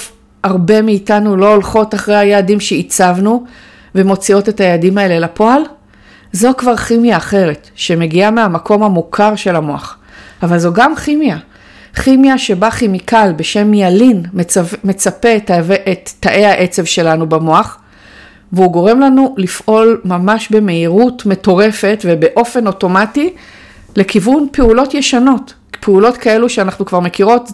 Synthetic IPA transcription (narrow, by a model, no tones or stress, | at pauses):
aʁbe̞miːtanulo̞ːlχo̞taχʁehajeːdimʃe̞it͡savnu | ve̞mo̞t͡sio̞te̞thajaadimae̞le̞lapo̞al | zo̞kvaʁχimjaːχe̞ʁe̞tʃeme̞ɡiameamakʰo̞mhamukʰaʁʃe̞lamo̞aχavalzoɡamχimja | χimjaʃe̞baχimikalbe̞ʃe̞mːialinmme̞t͡sape̞tvʔetːaʔe̞haʔe̞t͡se̞vʃe̞lanubamo̞aχ | veuɡo̞ʁe̞mlanulifʔo̞lmamaʃbe̞me̞iʁutme̞to̞ʁe̞fe̞tvebe̞ʔo̞fe̞no̞to̞mati | le̞kivunpe̞ulo̞tje̞ʃano̞t | pʰeulo̞tkae̞luʃeanaχnukvaʁme̞kiʁo̞t